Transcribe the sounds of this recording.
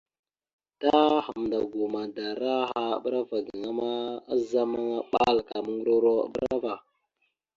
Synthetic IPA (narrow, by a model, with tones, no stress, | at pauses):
ta˦xa˨m˨nda˨ɡu˨ma˨da˨ɾa˦ɦa̰˦˨ɓɾa˦va˨ɡi˨ŋa˦ma˦a˦za˦ma˦ŋa˦ɓa˦lka˨mə˦ŋɡu˦ɾo˦ɾo̰˦˨ɓɾɾa˦va˨